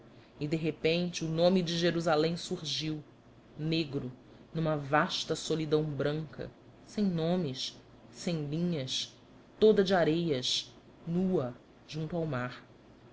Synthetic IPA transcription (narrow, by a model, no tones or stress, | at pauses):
ɪd̪eɦepẽnt͡ʃɪunõmid͡ʒɪʒeɾuzalẽj̃suɾʒiw | neɡɾʊ | nũmɐvaʃt̪ɐsolid̪ɐ̃w̃bɾɐ̃ŋkɐ̰ | sẽj̃nõmɪʃ | sẽj̃lĩɲɐs | t̪od̪ɐd͡ʒɪaɾejɐʃ | nuɐ | ʒ̥ũnt̪uawmaɾ